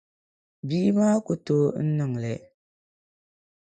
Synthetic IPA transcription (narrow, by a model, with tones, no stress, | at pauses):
biː˦maː˦ku˨to˦n̩˦nɨ˨ŋlɛ˨